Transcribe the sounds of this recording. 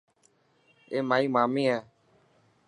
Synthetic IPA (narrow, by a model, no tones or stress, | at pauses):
emãimãmĩɛ